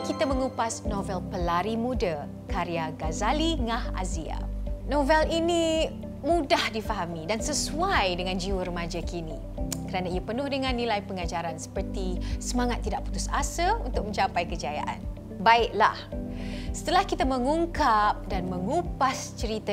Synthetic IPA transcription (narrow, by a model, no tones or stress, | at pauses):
kit̪amə̃ŋupasnovɛlpəlaɾimũda | kaɾiaɡazaliŋãha̰zia̰novɛlini | mudahdifaɦamidansəsuajdəŋãnd͡ʒiwəɾəmad͡ʒakini | kəɾanaiapənʊhdəŋãnːĩlajpəŋad͡ʒaɾansə̥pərt̪isəmãŋat̪ːidaʔpu̥t̪usasaunt̪ʊk̚mə̃ɲt͡ʃapajkəd͡ʒaja̰ʔa̰n | baɪʔla̰h | sə̥t̪əlahkit̪aməŋuŋkap̚danmə̃ŋupast͡ʃəɾit̪a